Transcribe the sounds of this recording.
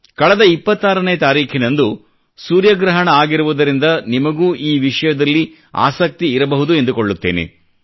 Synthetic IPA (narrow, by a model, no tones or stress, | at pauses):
kɐɭɐd̪ɐipːɐt̪ːaːɾɐneːt̪aːɾiːkʰinɐnd̪u | suːɾjɐɡɾɐɦɐɳɐaːɡiɾuʋud̪ɐɾind̪ɐnimɐɡuːʔiːʋiʂɐjɐd̪ɐlːi | a̰ːsɐk̚t̪iːɾɐbɐɦud̪ue̞nd̪ukoɭːut̪ːe̞ːnḛ